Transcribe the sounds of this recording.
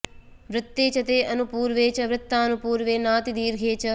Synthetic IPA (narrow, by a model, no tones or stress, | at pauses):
ʋɾɪt̪ːeːt͡ʃɐt̪eːɐnupuːɾʋeːt͡ʃɐʋɾɪt̪ːaːɐnupuːɾʋeːnaːt̪id̪iːɾɡʱeːt͡ʃɐ